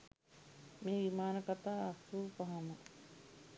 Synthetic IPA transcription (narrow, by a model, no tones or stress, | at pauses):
meːʋimaːnəkat̪aːsuːpaɦamə